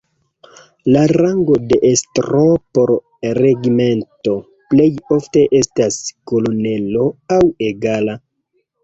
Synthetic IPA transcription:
laɾaŋɡo̞de̞ʔestɾopo̞ɾ | re̞ɡime̞nto̞ | ple̞jo̞fte̞ʔe̞stasko̞lo̞ne̞lo̞awe̞ɡala

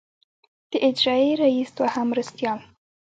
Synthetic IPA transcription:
d̪̥əʔɪd͡ʒɾɑeɾaist̪wahamɾast̪jɑl

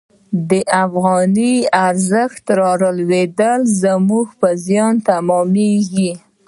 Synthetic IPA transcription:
d̪əʔafɣɑniaɾzəxt̪ɾɑɾəlwed̪əlzəmuɡpəzjɑnt̪amɔmeɡi

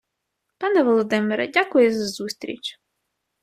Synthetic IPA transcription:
pɑnɛʋɔlˠɔd̪ɪmɪɾɐ̰dʲakʊjɛzɐzust̪ɾʲḭt͡ʃʲ

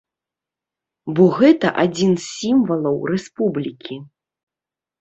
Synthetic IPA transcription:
bɔɣɛt̪ɐ̰ʔad͡zʲinssʲimvɐlˠɐwrɛspublʲikʲi

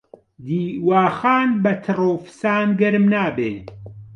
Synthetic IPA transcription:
d̪iːwaːxaːnbɐt̪ʰɨroːfɨ̥saːnɡɐɾmnaːbeː

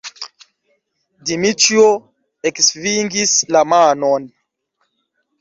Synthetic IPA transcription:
dimitio | eksviŋɡislamanon

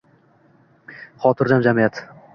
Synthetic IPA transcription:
χɒt̪ʰɪɾd͡ʒamd͡ʒamijat̪

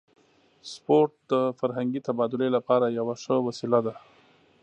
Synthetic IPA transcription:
spoɾʈ̚d̪əfaɾɦaŋɡit̪abɑd̪ʊlelapɑɾajawaʂəwasilad̪a

